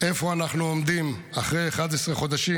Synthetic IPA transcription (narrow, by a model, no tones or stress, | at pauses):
efoanaχnuomd̪im | aχʁejeχad̪esʁeχo̞d̪aʃi